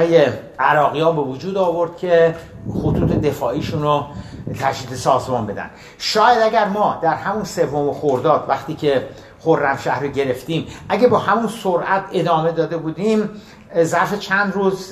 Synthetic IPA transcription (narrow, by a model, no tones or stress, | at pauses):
jeʔæɾɒːɣijɒːbe̞vod͡ʒuːd̪ɒːvo̞ɾd̪̥̚cʰʲe̞ | xot̪ʰuːt̪ʰed̪e̞fɒːʔiːʃuːnot̪ʰæʃd̪iːd̪esɒːzmɒːnmbe̞d̪æ̰nd̪̥ | ʃɒːjæd̪æɟæɾmɒːd̪æɾhæmunse̞vːomexoɾd̪ɒːd̪væxt̪iːcʰe̞ | xoɾːæmʃæhɾeɟe̞ɾe̞ft̪iːmʔæɟæbɒːhæmunsoɾʔæt̪ʰe̞d̪ɒːme̞d̪ɒːd̪ebuːd̪iːm | zæɾfe̞t͡ʃʰænd̪ɾuːz